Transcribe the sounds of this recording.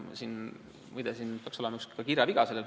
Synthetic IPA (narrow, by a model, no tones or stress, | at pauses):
siːn | mujd̪̥esint̪ɑksolenɑuskkɑkirjɑviɡ̥ɑselel